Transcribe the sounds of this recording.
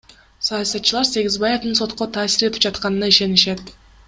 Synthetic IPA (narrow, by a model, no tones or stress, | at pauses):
sɑjɑsɑt̪t͡ʃɯlˠɑɾse̞ɡʲizbɑjed̪ɯnso̞t̪qo̞t̪ʰɑːsiɾe̞t̪ipd͡ʒɑt̪qɑnɯnɑiʃe̞niʃe̞t̪